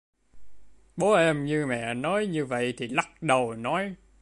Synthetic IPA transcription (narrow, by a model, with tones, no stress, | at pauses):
ɓo˨˦ʔɛ˧mɲɨ˧mɛ̰˧˨nɔ˨˦jɲɨ˧və̰˧˨jt̪ʰi˨˩la˦˥t̚ɗə˨˩wnɔ˨˦j